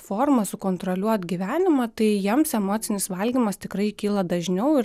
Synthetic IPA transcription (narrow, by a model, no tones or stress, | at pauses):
foːrmɐsʊkoːnt̪ɾolʲuɔt̪ɡʲiʋʲæːnʲɪmɐt̪ɐɪjiɛmsɛmoːt̪sʲɪnʲɪsʋɐlʲɡʲiːmɐst̪ʲɪkɾɐɪkʲiːlˠɐd̪ɐʒʲnʲɛʊɪ